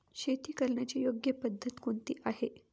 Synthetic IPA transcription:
ɕet̪iːkəɾɳjat͡ɕiːjoɡjəpəd̪ʱːət̪kont̪iːʔaɦe

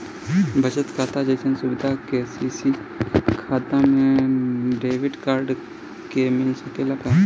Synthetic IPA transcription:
bʱɐt͡ʃət̪kʰaːt̪ad͡ʒɐjsənsʊbɪd̪ʱakesisi | kʰaːt̪amẽ | ɖeːʋɪɖkaːɾɖ | kemɪnsɐkelaka

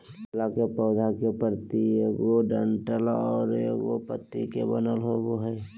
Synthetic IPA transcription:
lakepɔʊd̪ʱakepəɾt̪iɡoɖəɳʈəlɔːɾopət̪ːikebənəlɦoɡoɦɛː

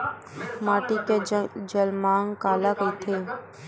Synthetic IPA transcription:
maːʈiked͡ʒəlmaːŋkaːlakəit̪ʰeː

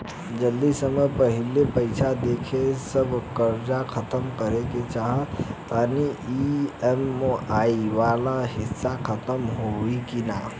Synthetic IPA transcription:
d͡ʒəld̪isəməjpəɦɪlepəɪsʰad̪eːkʰesəbʱkəɾd͡ʒakʰət̪əmkəɾeket͡ʃaɦət̪aːniiɛmːoaːiʋaːlaɦɪsːakʰət̪əmɦoikinaː

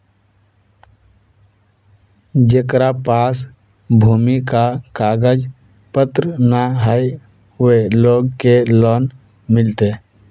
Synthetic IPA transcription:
d͡ʒekɾapas | bʱuːmikakaɡəd͡ʒ | pət̪ɾənaɦəj | eloːɡkelɔn | mɪlt̪e

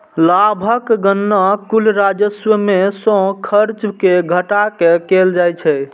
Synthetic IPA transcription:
labʱəkɡənːakulɾad͡ʒəswəmesɔ̃kʰəɾt͡ʃkeɡʱəʈakekeld͡ʒajt͡ʃʰɛ

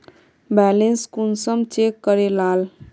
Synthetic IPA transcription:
bɛlenskunsəmt͡ʃekːəɾelal

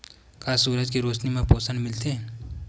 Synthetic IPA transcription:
kaːsuːɾəd͡ʒkiɾoːt͡ʃnimẽpoːsənmɪlt̪eɦɛ̃ː

